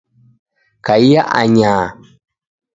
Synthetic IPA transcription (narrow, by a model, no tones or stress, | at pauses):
kaijaʔaɲaː